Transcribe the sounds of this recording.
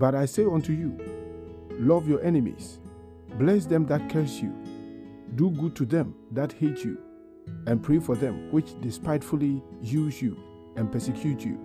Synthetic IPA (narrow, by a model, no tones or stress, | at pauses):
bʌɾaɪseɪɔ̃ntʰuju | lʌvjɔʔɛnɪmḭs | blɛs̬ðɛ̃mðat̚kʰɛ˞sjṵ | duɡud̚tʰuðɛ̃mðat̚hetjṵ | ɛ̃npʰɹefɔðɛ̃mwɪt͡ʃdɪspaɪtfulijuzju | ɛ̃npɛsɛkʰj̥utʰjṵ